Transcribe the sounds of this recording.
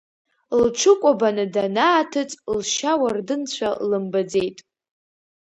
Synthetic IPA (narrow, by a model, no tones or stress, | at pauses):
lʈ͡ʂʷʰɨkʷʼabanɨdanaːtʰɨt͡sʼlʃawardɨnt͡ɕʷʰalɨmbad͡zejtʼ